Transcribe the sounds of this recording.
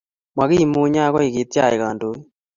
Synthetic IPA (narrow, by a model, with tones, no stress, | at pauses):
mwa˨ɣi˦˨mu˦ɲa˦ɣɔ˦i˨ɣi˨tja˦˨e˨ɣa˨ndo˨˦